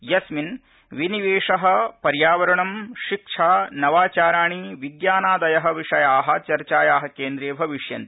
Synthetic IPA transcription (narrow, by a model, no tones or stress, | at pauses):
jɐsmin | ʋiniʋeːʂɐɦɐ̆pɐɾjaːʋɐɾɐɳɐmʃikʂʰaːnɐʋaːt͡ʃaːɾaːɳiʋiɡjaːnaːd̪ɐjɐɦɐʋiʂɐjaːɦɐ̆t͡ʃɐɾt͡ʃaːjaːɦɐkeːnd̪ɾeːbʱɐʋiʂjɐ̰nt̪i